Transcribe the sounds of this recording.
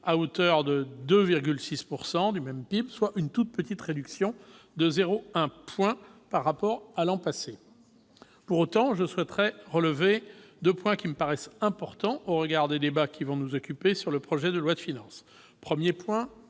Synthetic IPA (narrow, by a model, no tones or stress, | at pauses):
aot̪œʁd̪əd̪øviʁɡʲylsispuʁsɑ̃d̪ymɛmpibswaʔynt̪ut̪̚pət̪it̪χed̪yksjɔ̃d̪əzeʁoɛ̃pwɛ̃paʁːapɔʁalɑ̃pase | puʁot̪ɑ̃ʒəswɛt̪χɛʁələved̪øpwɛ̃kʲiməpaʁɛsɛ̃pɔʁt̪ɑ̃ʔoʁəɡaʁd̪ed̪ebakʲʰivɔ̃nuzɔkʲypesyʁləpχɔʒɛd̪əlwad̪əfinɑ̃s | pχəmjepwɛ̃